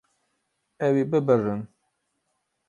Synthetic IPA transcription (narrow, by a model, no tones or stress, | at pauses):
ɛwibɨbɨrɨn